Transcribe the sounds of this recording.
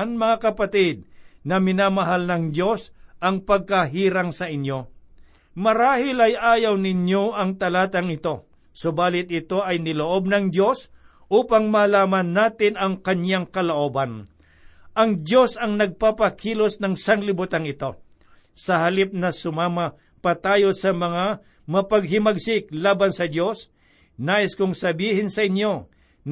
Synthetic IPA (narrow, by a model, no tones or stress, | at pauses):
nmɐŋakɐpɐt̪ɪd̪̚nɐmɪnaːmɐɦalnɐŋd̪jo̞sʔɐŋpɐɡ̚kɐɦiːɾɐŋsɐʔɪnjo̞ | mɐɾaːhɪlɐjʔaːjɐwnɪnjo̞ʔɐŋt̪ɐlaːt̪ɐŋɪt̪o̞ | sobaːlɪt̪̚ɪt̪o̞ʔɐjnɪloʔo̞b̚nɐŋd̪jo̞s | ʔuːpɐŋmalaːmɐnːaːt̪ɪnɐŋkɐnjaŋkɐloʔo̞bɐn | ʔɐŋd̪jo̞sɐŋnɐɡ̚papɐkʰiːlosnɐŋsɐŋlɪbut̪aŋɪt̪o̞ | sɐɦɐlip̚nɐsʊmaːmɐ | pɐt̪aːjo̞sɐmɐŋa | mɐpɐɡ̚ɦɪmɐɡsɪk̚laːbɐnsɐd̪jo̞s | naːʔɪskʊŋsɐbiːhɪnsɐʔɪnjo̞